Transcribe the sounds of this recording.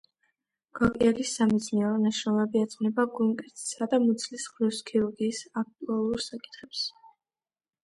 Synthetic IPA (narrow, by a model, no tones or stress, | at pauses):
ɡ̥ɔkʼiɛlisːamɛd̪sʰniaɾɔnaʃɾɔlɛbiat̪sʼnɛbaɡuŋkʼɛɾt̪ʰʼi̥sad̪amut̪sʰlisχɾiskʰiuɾɡiːsak̚t̪ʼualˠuɾsakʼi̥t̪χɛps